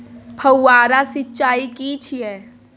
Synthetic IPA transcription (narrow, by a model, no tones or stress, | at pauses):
pʰɐwːaːɾasɪtːt͡ʃaːikit͡ʃʰiɛː